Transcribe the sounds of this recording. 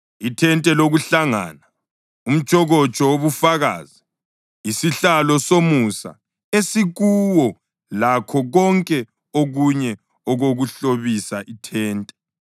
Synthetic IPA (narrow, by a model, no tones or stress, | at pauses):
itʰɛntʼɛloɣuɬaŋa̰ːna | um̩t͡ʃʼɔɣɔt͡ʃʼɔwoβufaɣa̰ːzi | isiɬalɔsomusa̰ | esiɣuwɔ | lakʰɔɣɔŋkʼɛ | oɣuɲɛ | ɔɣoɣuɬoβisaʔitʰɛːntʼɛ̥